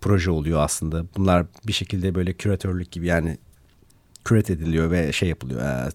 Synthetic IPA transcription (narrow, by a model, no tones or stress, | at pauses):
pʰɾo̞ʒɛo̞lˠujoaslˠɯnd̪abunlˠaɾbiʃe̞cʰilʲd̪ɛbø̞jlʲɛcʰyɾat̪ʰøɾlʲyc̚ɟibijaːnɪ | cʰyɾɛt̪ʰed̪ilʲijo̞vɛʃejːapʰɯlˠɯ̰jo̰ɛ̰ː